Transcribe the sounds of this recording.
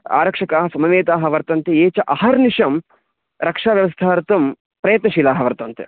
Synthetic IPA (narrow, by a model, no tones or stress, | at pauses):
a̰ːɾɐkʂɐkaːɦɐsɐmɐʋeːt̪aːɦɐʋɐɾt̪ɐnt̪eeːt͡ʃɐʔɐhɐɾniʂɐm | ɾɐkʂaːʋjɐʋɐst̪ʰaːɾt̪ɐm | pɾɐjɐt̪nɐʃilaːɦɐʋɐɾt̪ɐnt̪ḛ